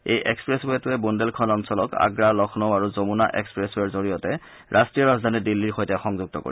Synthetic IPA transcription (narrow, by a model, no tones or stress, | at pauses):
ejʔekspɹesbɛtʊɛbundelkʰɔnɔmsɔlɔka̰ɡɹalɔxʰnoaɹuzomunaʔekspɹɛsbɛɹzoɹijɔtɛ | ɹʔastɹijɔɹazdʱanidilːiɹxojtɛxɔŋzuɡ̚tɔko̰ɹi